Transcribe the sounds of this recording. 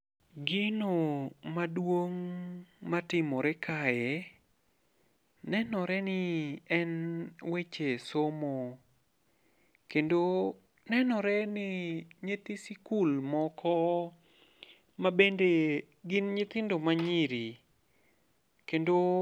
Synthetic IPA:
ɡɪnomadwoŋmatɪmɔɾɛkʰajɛ | nɛnɔɾɛnɪɛnwet͡ʃesomo | kendo | nɛnɔɾɛnɪɲet̪isikulmɔkʰɔ | mabende | ɡɪnɲɪt̪ɪndomaɲiɾi | kendo

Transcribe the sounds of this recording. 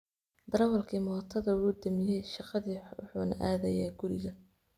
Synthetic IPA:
d̪ɐɾwɐlkʰiːmɔːt̪ʰɐðɐwuːd̪ɐmɪjɛjʃɑqɑðiːwʊ̰ħṵːnɐ̰ʔaːðɐjaːɡʊɾɪ̰ɣɐ

